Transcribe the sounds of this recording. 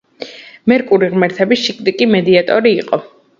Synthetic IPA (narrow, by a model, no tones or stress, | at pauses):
mɛɾkʼuɾiʁmɛɾt̪ʰɛbisʃikʼd̪ikʼimɛd̪iat̪ʼɔɾiːqʼɔ